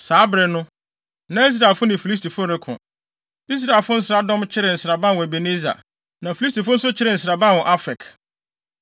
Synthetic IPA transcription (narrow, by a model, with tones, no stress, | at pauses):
saː˨˦bɾɪ˨nʊ̃˦ | nã˦i˦s̬ɾa˨ɛ˨lfʊ˦nɪ̃˨fi˨li˦s̬tʰi˨fʊ˦ɾɛ˦kʰʊ̰̃˨ | i˦s̬ɾa˨ɛ˨lfʊ˦n̩˦sɪ˦ɾa˦dɔ̃˦mt͡ɕʰɪ˦ɾɪ˨n̩˨sɾa˨bã˦˨w̃æ˨be˨ne˦za̰˨ | nã˨fi˨li˦s̬ti˨fʊ̃˦n̩˦sʊ˦t͡ɕʰɪ˦ɾɪ˨n̩˨s̬ɪɾa˨bã˦˨wɔ̃˨ʔa˦fɛ˨k